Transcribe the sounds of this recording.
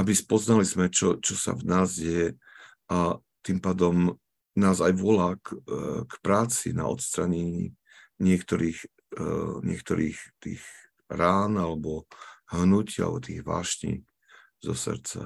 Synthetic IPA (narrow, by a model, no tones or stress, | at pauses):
ʔabispɔznalizmɛt͡ʃɔt͡ʃɔsa̰vnaːzɟɛjɛ | ʔa | t̪impaːd̪ɔm | naːzajʋɔlaːkkpɾaːt͡sḭna̰ɔ̰t̪st̪ɾaɲɛɲi | ɲɪɛkt̪ɔɾiːx | ɲɪɛkt̪ɔɾiːxt̪ḭːɣ | ɾaːnalɛbɔɦnuciːa̰lbɔt̪iːɣʋa̰ːʃɲḭ | zɔ̰sɾt͡sa̰